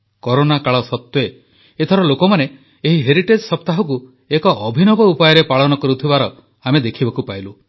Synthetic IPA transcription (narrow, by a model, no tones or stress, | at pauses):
kɔɾonakaɭɔsɔt̪we | et̪ʰɔɾɔlokɔmane | eɦiɦeɾiʈed͡ʒsɔpt̪aɦɔku | ekɔʔːbʱinɔbɔupajɔɾepaɭɔnɔkɔɾut̪ʰibaɾɔ | amed̪ekʰibɔkupajlu